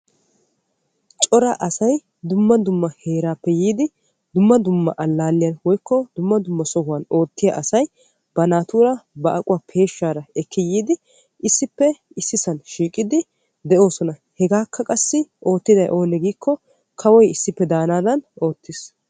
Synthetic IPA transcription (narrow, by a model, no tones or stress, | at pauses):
t͡ʃʼɔɾɐʔɐsɐj | d̪ʊmːɐd̪ʊmːɐhe̞ːɾaːpːɛjiːd̪ɪ | d̪ʊmːɐd̪ʊmːɐʔɐlːaːlːɪjɐnwɔjkːɔd̪ʊmːɐd̪ʊmːɐsɔhʊwɐno̞ːt̪ːɪjɐʔɐsɐj | b̥ɐnaːt̪uːɾɐbɐʔɐkʼʊwaːpʰe̞ːʃːaːɾɐɛkʰːɪjiːd̪ɪ | ɪsːɪpːɛ | ɪsːɪsɐnʃiːkʼːɪd̪ɪ | d̪ɛʔo̞ːsɔnɐhɛɡaːkːɐkʼɐsːɪʔo̞ːt̪ːɪd̪ɐjʔo̞ːnɛɡiːkʰːɔ | kʰɐwɔjɪsːɪpːɛd̪aːnaːd̪ɐno̞ːt̪ːɪs